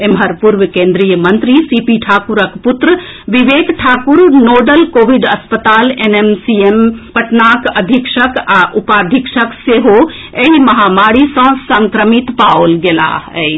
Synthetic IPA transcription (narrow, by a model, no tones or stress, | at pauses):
emɦəɾpuɾʋkẽːnd̪ɾijəmənt̪ɾisipiʈʰaːkuɾəkpʊt̪ɾə | ʋiʋeːkʈʰaːkuɾnoːɖəlkoːʋiɖɐspət̪aːlenemsiempɐʈnaːkɐd̪ʱikʃəkaʔupaːd̪ʱikʃəkseɦo | eɦimɐɦamaːɽisɐ̃sə̃ŋkɾəmit̪paolɡela̰ɦɛ̰